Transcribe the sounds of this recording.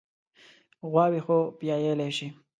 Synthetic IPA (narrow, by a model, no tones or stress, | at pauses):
ɣwɑwixopjɑjeleʃi